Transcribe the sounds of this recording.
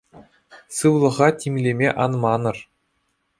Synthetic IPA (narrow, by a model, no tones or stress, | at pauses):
sɯwlˠɤ̆ʁɑtʲimʲlʲemʲeʔɑnmɑnɤ̆r